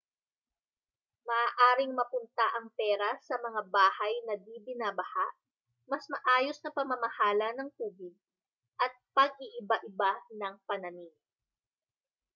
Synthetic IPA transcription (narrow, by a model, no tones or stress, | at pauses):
mɐʔaːʔaːɾɪŋmɐpʊnt̪aʔɐŋpɛːɾɐsɐmɐŋabaːhɐjnɐd̪iːbɪnaːbɐhaʔ | mɐsmɐʔaːjosnɐpɐmɐmɐhaːlɐnɐŋk̪uːbɪd̪̚ | ʔɐt̪̚pɐɡ̚ʔɪʔɪbaʔɪbanɐŋpɐnɐniŋ